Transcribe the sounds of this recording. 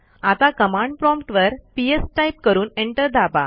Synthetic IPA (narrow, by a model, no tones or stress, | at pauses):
at̪akəmãɳɖ̚pɾɔmpʈʋəɾpiesʈajp̚kəɾuːneɳʈəɾd̪ʱaba̰